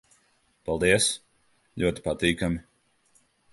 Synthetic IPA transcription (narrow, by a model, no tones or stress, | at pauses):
palˠd̪iɛs | ʎʲuɔt̪i̥pat̪iːkamʲi